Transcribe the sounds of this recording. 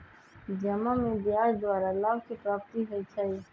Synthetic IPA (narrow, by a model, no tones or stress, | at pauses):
d͡ʒɐmamẽd̪jaːɾd̪waːɾalaːbkipɾaːpt̪iɦoit͡ʃʰai